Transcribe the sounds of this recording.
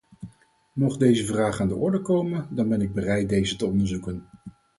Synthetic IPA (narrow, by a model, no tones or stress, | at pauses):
mɔχdejzəvraːχaːndəʔɔɹdəkowməndɑnbɛnɪɡ̚bərɛjt̚dejzətəɔndəɹzukən